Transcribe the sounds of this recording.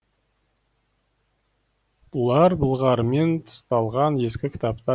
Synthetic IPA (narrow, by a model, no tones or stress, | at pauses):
b̥ʊlˠɑɾbəlˠʁɑɾme̞nt̪ʰʊ̥st̪ɑlˠʁɑnje̞skʲɪkʲʰɪ̥t̪ap̚t̪ɑ